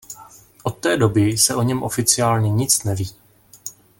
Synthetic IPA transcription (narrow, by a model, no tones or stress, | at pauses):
ʔot̪ːɛːdo̞bɪsɛʔo̞ɲɛmʔo̞fɪt͡sɪaːlɲɛɲɪt͡snɛviː